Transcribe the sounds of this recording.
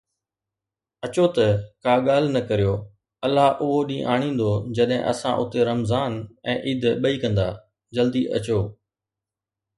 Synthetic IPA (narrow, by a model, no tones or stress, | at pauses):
ɐt͡ʃoːt̪ɐkaːɠaːl̤nɐkəɾijoː | ɐlːaːʔʊɦoɗĩːʔaːɽ̃ĩːn̆d̪oːd͡ʑɐɗɦɪ̰̃ʔɐ̰sã̰ʔʊt̪eɾɐmzaːnɛ̃ːʔiːd̪ʱɓəiːkɐ̃nd̪aː | d͡ʒɐld̪iːʔɐ̰t͡ɕoː